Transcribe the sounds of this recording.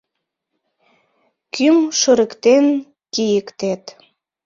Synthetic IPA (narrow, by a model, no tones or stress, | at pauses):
kymʃəɾəkt̪en | kijəkt̪et̪